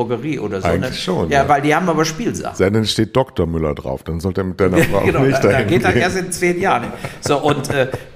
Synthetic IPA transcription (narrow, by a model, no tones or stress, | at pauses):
ʊɐɡəʁiːʔo̰ːdɐzaɪoːɡŋ̩lɪʃoːnjaːvaɪldiːhaːbm̩aːbɐʃpiːlza̰z̥ɛnɛnʃteːt̚d̥ɔktoɐmʏlɐ̰dʁa̰ʊfd̥anzɔlteːɐmɪt̚d̥aɪnɐfʁa̰ʊnnɪçtd̥ahdaɪnɡeːɡd̥aenːeːɐstɪnt͡sv̥eːnjaːʁənɪz̥oːʔʊntʔʔɛː